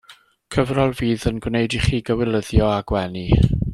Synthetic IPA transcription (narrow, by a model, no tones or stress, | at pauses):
kʰəvrɔlˠviːðənɡwnejdiχiːɡəwɪlˠəðjɔaɡwɛni